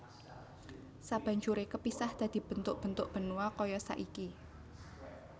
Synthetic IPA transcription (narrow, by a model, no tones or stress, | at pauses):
sab̥ä̤ɲt͡ʃuɾekəpisahd̪̥a̤d̪̥i̤b̥ə̤nt̪ʊʔ̚b̥ə̤nt̪ʊʔb̥ə̤nuakɔjɔsa̰ʔiki